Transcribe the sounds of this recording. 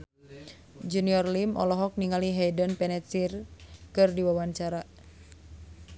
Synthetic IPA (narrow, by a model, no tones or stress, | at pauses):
d͡ʒuniɔrlimʔɔ̰lɔɦɔk̚niŋaliɦɛjdənpɛnɛt̪sirkɨrdiwawaɲt͡ʃaɾa